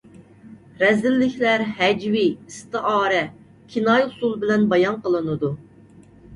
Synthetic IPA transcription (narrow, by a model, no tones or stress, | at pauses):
ɾɛzɪlːɪkʲʰlæɾhɛd͡ʒwiist̪ɨʔɑːɾɛ | kʲʰinɑjʊsulˠbɪlɛnbɑjɑnqʰəlˠɨnɨd̪u